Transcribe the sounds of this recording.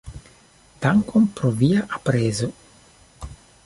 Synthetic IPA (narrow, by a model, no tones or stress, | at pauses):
t̪aŋkompɾoviaʔapɾeːzo